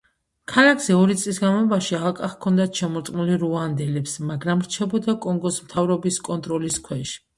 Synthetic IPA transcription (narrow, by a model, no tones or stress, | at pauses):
kʰalakʰz̥ɛɔɾit̪sʼlisɡanmɔbaʃialakʼaχkʰɔnd̪at̪ʰʃɛmɔɾt̪ʼmuliɾuand̪ɛlɛpsmaɡɾamɾt͡ʃʰɛbɔd̪akʼɔŋɡɔsmt̪ʰavɾɔbiskʼɔnt̪ʼɾɔliskʰwɛʃ